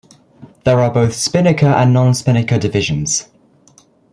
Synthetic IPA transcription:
ðəɹəbəʊθspɪnɪkʰəʔə̃nːɒ̃nspɪnɪkədɪvɪʒə̃nz̥

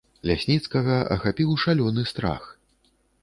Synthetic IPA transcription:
lʲasʲnʲit̪skɐɣɐɐ̰xapʲiwʂalʲɔnɨst̪ɾa̰x

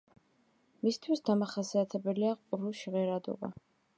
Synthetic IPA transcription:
mist̪ʰwisd̪amaχasiat̪ʰɛbɛliaqʼuɾuʃiʁɛɾad̪ɔ̰ba̰

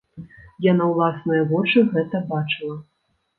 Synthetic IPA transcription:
janawlˠasnɨjɐvɔt͡ʂɨɣɛt̪ɐbat͡ʂɨlˠɐ

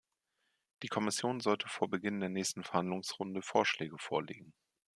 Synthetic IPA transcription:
d̥iːkʰɔmɪsjoːnzɔltʰəfoːɐbəɡɪndeːɐnɛːçstn̩fɛɐhandlʊŋsʁʊndəfoːɐʃlɛːɡəfoːɐlḛːɡŋ̩

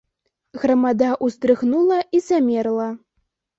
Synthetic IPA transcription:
ɣɾamad̪aʔust̪ɾɨxnulˠɐʔizamʲɛrlˠɐ

